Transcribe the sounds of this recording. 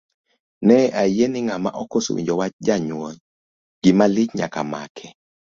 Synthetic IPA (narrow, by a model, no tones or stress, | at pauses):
nɛʔajenɪŋama̰ʔɔkoso̰wḭɲd͡ʒɔwat͡ʃd͡ʒaɲwɔn | ɡ̥ɪmalɪt͡ʃɲa̰kama̰kʰɛ